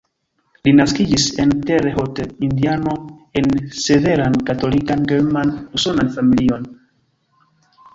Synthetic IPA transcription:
linaskid͡ʒise̞nte̞ɾeho̞tindiano̞e̞nse̞ve̞ɾankato̞likanɡeɾmanuso̞nanfamilio̞n

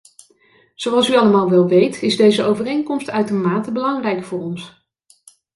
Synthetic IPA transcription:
z̥owɑlˠsyɑləmaːlˠʋɛlˠʋejtɪzdejzəowvərejŋkɔmstœɥtəɹmaːtəbəlɑŋrɛjkfʊːɹɔns

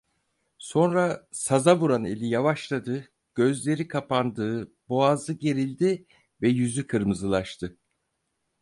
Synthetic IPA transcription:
so̞nɾasazavuɾane̞̰lʲijavaʃlˠad̪ɯ | ɟ̥ø̞zlʲe̞ɾikʰapand̪ɯːbo̞azɯɟe̞ɾilʲd̪i | vɛjyzykʰɯɾmɯzɯlˠaʃt̪ʰɯ

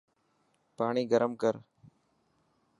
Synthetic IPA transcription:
paːɳ̃iːɡəɾəmkəɾ

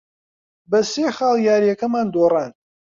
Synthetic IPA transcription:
bɐseːxɑːlˠjaːɾjɐkɐmaːnd̪orɑːn

